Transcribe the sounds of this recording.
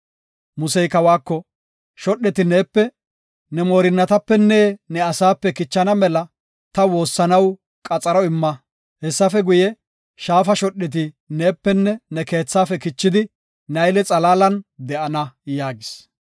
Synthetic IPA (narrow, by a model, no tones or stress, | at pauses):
mʊsɛjkɐwaːkːɔ | ʃɔɗːɛt̪ɪneːpːɛ | nɛmoːɾɪnːɐt̪ɐpːɛnːeːnɛɐsaːpːɛkɪt͡ʃːɐnɐmɛlɐ | t̪ɐwo̞ːsːɐnɐw | kʼɐt͡sʼɐɾɔɪmːɐ | hɛsːɐfɛɡʊjɛ | ʃaːfɐʃɔɗɛt̪̬ɪ | neːpːɛnːɛnɛke̞ːt͡sːaːfɛkɪt͡ʃːɪd̪ɪ | nɐjlɛt͡sʼɐlaːlɐnd̪ɛʔɐnɐjaːɡɪs